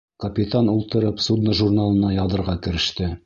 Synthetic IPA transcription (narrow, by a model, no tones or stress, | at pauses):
kɐpʲit̪anulˠt̪ɤ̆ɾɤpsud̪nɤʒurnalˠɤ̆nɑjɑðɤ̆ɾʁɑkɘ̆ɾɘ̆ʃt̪ɘ